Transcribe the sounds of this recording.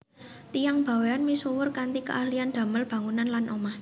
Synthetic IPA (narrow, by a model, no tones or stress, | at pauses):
t̪ijaŋb̥a̤weanmisuwʊrkant̪ikə̰ʔahliand̪̥a̤məlb̥ä̤ŋunanlanʔomah